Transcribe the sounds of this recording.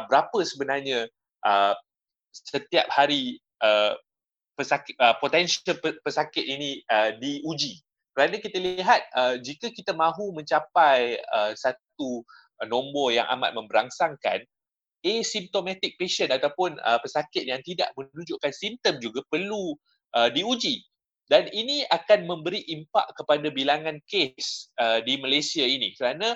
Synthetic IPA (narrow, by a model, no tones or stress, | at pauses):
bəɾapəsəbənarɲə̃ | ʔə | sət̪iap̚haɾi | ʔə | pəsakəpot̪ɛnʃəlppəsakɪt̪̚inĩədiud͡ʒi | kəɾanãkit̪əliɦat̪̚əd͡ʒikəkit̪amãɦumə̃ɲt͡ʃapajəsatt̪̚u | nõmbɔja̰ŋʔa̰ma̰t̪̚mə̃mbəɾaŋsaŋka̰n | esimt̪omãt̪ɪk̚peʃənat̪awpʊnə̰pəsakɪt̪̚jaŋt̪ida̰ʔmə̃nud͡ʒuʔkansimt̪əmd͡ʒuɡapərlu | ʔədiud͡ʒi | daninĩakanmə̃mbəɾiʔimpa̰ʔkəpadabilaŋãnkesədimalasiainĩkəɾanã